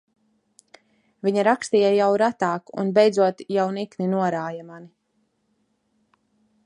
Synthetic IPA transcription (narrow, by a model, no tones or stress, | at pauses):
vʲiɲaɾakst̪ijajawɾat̪aːkṵnbɛjd̪zuɔt̪jawnikninuɔɾaːjamani